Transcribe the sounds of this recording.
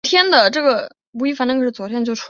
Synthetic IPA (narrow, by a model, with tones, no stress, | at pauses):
t̪ʰjɛ˥nd̪ə˨ʈ͡ʂɤ˥˩ɡə˩ | pu˧˥i˥˩fa˧˥nʈ͡ʂkʰt͡swɔ˨˩t̪ʰjɛ˥nt͡ɕjʊʂʰ